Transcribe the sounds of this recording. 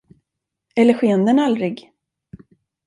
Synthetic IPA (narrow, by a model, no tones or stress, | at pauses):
ɛlːəɧeːənd̪ənald̪ɾɪɡ